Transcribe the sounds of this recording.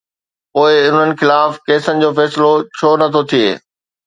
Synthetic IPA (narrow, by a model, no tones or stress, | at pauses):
poːɪʊn̤ənɪ̆xɪlaːfkeːsənɪ̆d͡ʑoːfɛːsɪlot͡ɕʰoːnɐt̪ʰot̪ʰiḛː